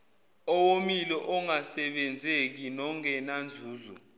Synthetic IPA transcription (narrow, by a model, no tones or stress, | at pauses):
ɔwomilɔʔɔŋasɛɓɛnd͡zʱek̬inɔŋɛnand͡zʱuːzɔ̰